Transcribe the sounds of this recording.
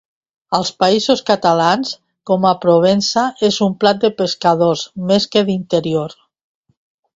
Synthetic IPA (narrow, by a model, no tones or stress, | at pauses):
əlˠspaizoskat̪alans | kɔmapɾoβ̞ensaezumplat̪̚d̪əpeskað̞ozmeskeðint̪əɾioɾ